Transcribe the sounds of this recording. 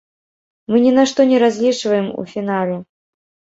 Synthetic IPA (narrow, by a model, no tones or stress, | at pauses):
mɨnʲɛnaʂt̪ɔnʲɛɾazʲlʲit͡ʂvɐjɛmṵfʲinalʲɛ